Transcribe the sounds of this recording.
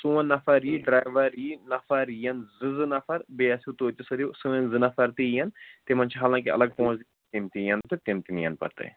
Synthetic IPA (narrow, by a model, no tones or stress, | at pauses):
suːɐ̃nːɐfɐɾiɖɾaːjʋɐɾinɐfɐɾjɐnzɨzɨnɐfɐɾbeɐsit̪oːt̪ʲisɐd̪iwsuːɐ̃nzɨnɐfɐɾt̪ijɐnt̪emɐnt͡ʃʰiɦaːlãːŋkiɐ̰lɐɡ̚põːzd̪i | t̪imt̪ijɐnt̪ɨt̪imt̪inijɐ̰npɐ̰ɾt̪ɐ̰